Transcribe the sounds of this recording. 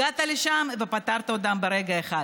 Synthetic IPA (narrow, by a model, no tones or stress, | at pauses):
at̪aliʃamvepat̪aʁt̪aod̪ambeɾeɡae̞χa